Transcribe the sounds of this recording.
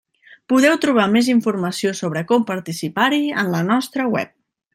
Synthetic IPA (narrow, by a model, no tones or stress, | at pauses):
puð̞ɛwt̪ɾuβ̞ameziɱfurməsiosoβɾəkɔmpəɾt̪isipaɾiə̰nlənɔst̪ɾəwɛ̰p̚